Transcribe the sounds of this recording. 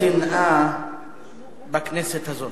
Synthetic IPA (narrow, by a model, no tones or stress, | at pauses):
ina | bakʰnɛsɛt̪ʰazɔ